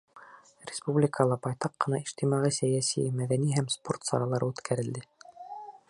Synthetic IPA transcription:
ɾʲɪspublʲɪkʰəlˠɑbɑjt̪ɑqːɤ̆nɑiʃt̪imɑʁɤsæjæsḭmæðæniɦæmspo̞rt̪sɑ̰ɾɑlˠɑɾɤʉt̪kʰæɾɘ̆ld̪ɘ

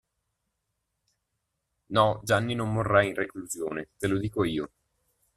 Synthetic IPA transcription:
nɔd͡ʒanːinomːorːainrekluzjoːnet̪elod̪iːkoiːo

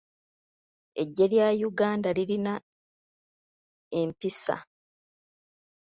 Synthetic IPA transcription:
e̞ɟːe̞ljaːjuɡaːndaliɾina | e̞mpisa̰

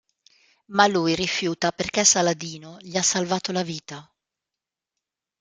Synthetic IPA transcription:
malujrifjuːt̪aperkɛsalad̪iːnoʎiasːalvaːt̪olaviːt̪a

